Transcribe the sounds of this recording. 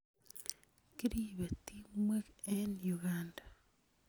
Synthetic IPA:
kiɾiβetimwekenjuɣaːnda

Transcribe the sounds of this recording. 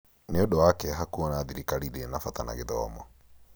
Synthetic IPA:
neodoakɛɦakuɔnaðiɾikaɾiɾenafatana̰ɣeðɔ̰ːmɔ

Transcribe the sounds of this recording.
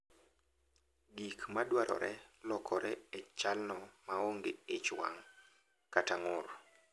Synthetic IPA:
ɡikmadwaɾʔɔ̰ɾʔɛlɔkʰɔɾɛɛt͡ʃalnɔmaoŋɡeet͡ʃwa̰ŋ | kataŋʊɾ

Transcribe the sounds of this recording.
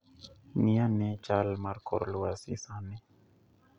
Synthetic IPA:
nianɛt͡ʃalmaɾko̰ɾluasḭsanɛ

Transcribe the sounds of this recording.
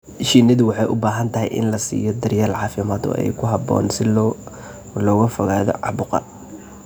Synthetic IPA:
ʃiːnɐðʊwɑħɑjʔʊbaːɦɐnt̪ʰɐɦɛ̰jʔɪ̰nlɐsḭːjɔd̪ɐrjaːlʕɑːfɪmaːd̪ɔ̰ːʔɛ̰jkʰʊɦɑbɔ̰ːnsɪl | lɔːɣɐfɔɣaːðɔ̰ʕɑbʊqɑ̰

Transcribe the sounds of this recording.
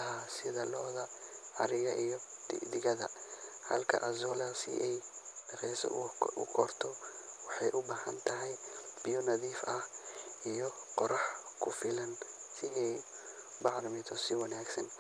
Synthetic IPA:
ɦasɪðɐlɔːðɐʕɑɾɪjɐʔijɔ̰d̪ɪɣɐðɐ̰hɐ̰lkʰɐ̰ʔɐzɔːlɐsɪ̰ʔɛjrɛːsɐ̰ʔʊ̰kʰɔrt̪ʰɔwɑħɑjʔʊbaːhɐnt̪ʰɐɦɛjb̥ɪjɔnɐðiːfɐhʔijɔqɔɾɑħkʰʊfɪlɐnsɪʔɛj | bɑʕɾɪmɪt̪ʰɔsɪwɑnaːɡsɐn

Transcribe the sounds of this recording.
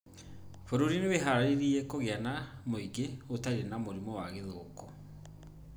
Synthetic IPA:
foɾuɾineβeɦaɾaɾeɾiɛkoɣeanamoiɡeotaiɾenamoɾimɔwaɣeðoːkɔ

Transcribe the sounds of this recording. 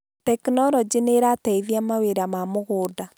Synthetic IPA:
tɛknɔɾɔd͡ʒineɾataiðjamaweɾamamoɣoːda

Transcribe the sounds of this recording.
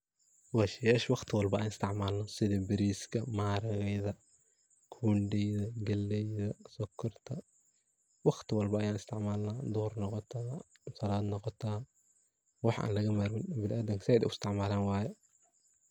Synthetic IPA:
wɑʃjɛːʃwɑqt̪ʰɪwɑlbɐʔaːnɪst̪ʰɪʕmaːlnɔsɪðɛbɪɾiːskʰɐmaːɾɐɣɛjðɐ | kʰuːnɖɛjðɐɡɐlːɛjðɐsɔkʰːɔrt̪ʰɐ | wɑχt̪ʰɪwɑlbɐʔːjaːnɪst̪ʰɪʕmaːlnad̪ɔhrnɔqɔt̪ʰaːsɐlaːd̪nɔqɔt̪ʰaː | wɑħʔa̰ːnlɐɣɐmaɾmɪnbɪlʔaːd̪ɐŋksɪɛːd̪ɪʊɪst̪ʰɪʕmaːlaːnwɑːjɛ

